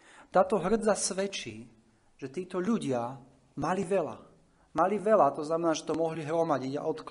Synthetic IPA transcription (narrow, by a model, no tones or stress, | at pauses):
t̪aːt̪ɔɦr̩d͡zasʋɛt͡ʃiː | ʒ̥ɛt̪iːt̪ɔʎuɟɪa | maliʋɛla̰ | maliʋɛlat̪ɔznamɛnaːʒɛt̪ɔmɔɦliɦɾɔmaɟiɟa̰ʔɔt̪k